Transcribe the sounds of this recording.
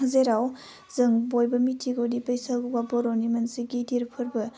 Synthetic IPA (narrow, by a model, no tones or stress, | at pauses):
ɐzeɾaw | zɯŋbojbɐmitʰiɡowdipɐjsalɡuwaboɾonimɐnsiɡidiɾpʰɐɾbɐ